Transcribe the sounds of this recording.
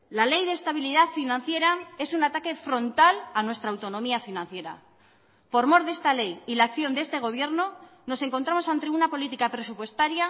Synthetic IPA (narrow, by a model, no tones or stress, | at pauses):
lale̞jðest̪aβiliðafinãn̟θje̞ɾae̞sunat̪ake̞fɾo̞nt̪alanwe̞st̪ɾaːwt̪o̞nõ̞miafinãn̟θje̞ɾa̰ | po̞ɾmo̞ɾðe̞st̪ale̞jilakθjo̞nd̪e̞st̪e̞ɣ̞o̞β̞je̞ɾno̞ | no̞se̞ŋko̞nt̪ɾamosant̪eunapo̞lit̪ikapɾe̞supwe̞st̪aɾja